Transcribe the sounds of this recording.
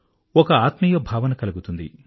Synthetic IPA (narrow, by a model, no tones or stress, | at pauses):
ɔkɐaːt̪mɐjɐbʱaːʋɐnɐkɐluɡut̪und̪ḭ